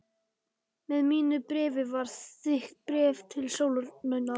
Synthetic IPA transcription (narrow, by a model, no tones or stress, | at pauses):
mɛðmiːnʏpɾɪːvɪvaɾ̥θɪht̪̚pɾɛːvt̪ʰɪlsowlʏnœɥna